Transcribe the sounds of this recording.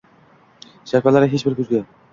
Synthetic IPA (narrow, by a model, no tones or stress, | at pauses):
ʃaɾfalaɾɪɦet͡ʃbɪɾkʲʰɵzɡʲɪ